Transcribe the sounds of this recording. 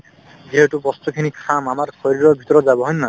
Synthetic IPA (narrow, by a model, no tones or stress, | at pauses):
ɡʱiɦeʈupɔst̪ukʰinikʰamamaɾkʰɔɾiɾɔbʱit̪ɔɾɔd͡ʒabɔɦɔjnːa